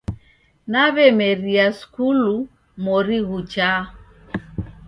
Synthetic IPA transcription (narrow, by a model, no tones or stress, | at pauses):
naβɛmɛɾiaskulu | mɔɾiɣut͡ʃa